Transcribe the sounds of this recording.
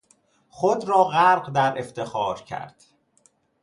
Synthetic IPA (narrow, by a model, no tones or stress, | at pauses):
χod̪ɾɒːɣæɾɢd̪æɾeft̪ʰe̞xɒːɾcʰæ̰ɾd̪̥